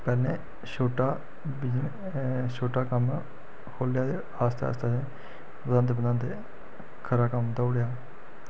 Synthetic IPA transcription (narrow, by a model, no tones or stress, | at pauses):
pɛːleː | ʃoːʈaː | bd͡ʒ | ʃoːʈaːkəm | kʰoːljaːd̪e | aːst̪ea̰ːst̪ʰeːd͡ʒe | bəd̪ãːnd̪eːbəd̪ãːnd̪e | kʰəɾaːkəmt̪aʊɽjaː